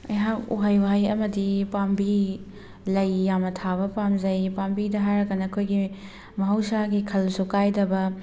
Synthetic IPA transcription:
ɐ̰jɦakṵɦajwajɐmɐdipambi | lɐjːamɐtʰaβɐpamzɐjpambidɐɦajɾɐkːɐnɐkʰojɡi | mɐɦɐwsaɡikʰɐlsukajdɐbɐ

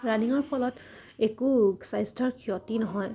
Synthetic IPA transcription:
ɹaniŋɔɹpʰɔlɔt | ekusajstʰɔɹkʰijɔtinɔɦɔj

